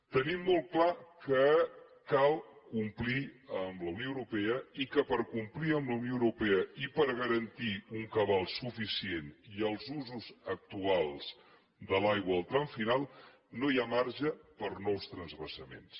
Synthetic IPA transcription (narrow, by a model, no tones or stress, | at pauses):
t̪ənimːolˠklakə | kalˠkumpliəmləwnioəwɾupɛəikəpəɾkumpliəmbləwnjoəwɾupɛəipəɾɣəɾənt̪iuŋkəβalˠsufisieniəlˠzuzuzək̚t̪ualˠz | d̪əlajɣwəːlˠt̪ɾaɱfinalˠ | nojamaɾʒəpəɾnɔwst̪ɾənzβəsəmḛns